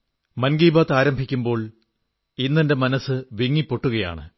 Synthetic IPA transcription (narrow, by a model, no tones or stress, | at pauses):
mɐnɡiːbaːt̪aːɾɐmbʱikʲːumbo̞ːɭ | inːɐnde̞mɐnɐsːɨʋiŋːipːo̞ʈːuɣɐja̰ːɳɨ